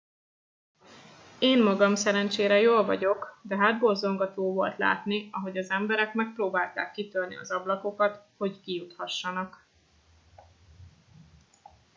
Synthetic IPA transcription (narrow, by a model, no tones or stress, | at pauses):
eːnmɒɡɒmsɛɾɛnt͡ʃeːɾɛjoːlvɒ̰ɟo̞kd̪ɛɦaːd̪̚borzo̞ŋɡɒt̪oːvo̞lt̪la̰ːt̪niɒɦo̞ɟɒzɛmbɛɾɛkmɛk̚proːbaːlt̪a̰ːkːit̪ølniɒ̰zɒblɒko̞kɒt̪ho̞ckijut̪hɒʃːɒnɒk